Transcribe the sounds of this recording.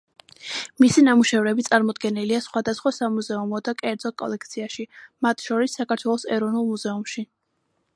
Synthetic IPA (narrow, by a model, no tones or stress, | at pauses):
misinamuʃɛvɾɛbit̪sʼaɾmɔd̪ɡɛniliasχwad̪asχwasamuzɛumɔd̪akʼɛɾd̪zɔkʼɔ̰lɛk̚ʰt̪sʰiaʃimat̪ʰʃɔɾisːakʰaɾt̪ʰwɛlˠɔsɛɾɔvnulˠmuzɛumʃi